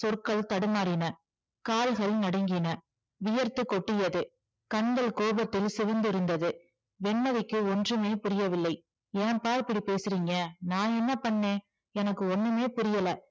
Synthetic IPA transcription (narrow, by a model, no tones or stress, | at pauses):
sɔrkɐɭt̪ɐɽɯmaːɾɪnɐ | kaːlɣɐɭnɐɽɐŋɡɪnɐ | ʋɪjɐɾt̪ɯkːɔʈːɪjɐðɯ | kɐɳɡɐɭkoːbɐt̪ːɪlsɪʋɐnd̪ɪɾɯnd̪ɐðɯ | ʋɛɳmɐðɪkːɯɔndrɯmeːpʊɾɪjɐʋɪlːɐɪ | ɛnɐpːaːɾpːɐɽipeːsɯɾiːŋɡɐnãːɛnːɐpɐɳːẽː | ɛnɐkːɯɔnːɯmeːpʊɾɪjɐlɐ